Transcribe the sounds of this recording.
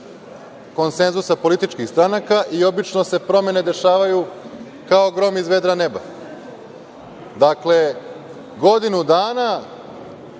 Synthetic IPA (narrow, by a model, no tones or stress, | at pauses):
ko̞nse̞nzusapo̞lit̪it͡ʃkixst̪ɾanakaʔio̞bit͡ʃno̞se̞pɾo̞me̞ne̞d̪e̞ʃaːʋaju | kaoɡɾo̞mizʋe̞d̪ɾane̞ba̰ | d̪akle̞ | ɡo̞d̪inud̪aːna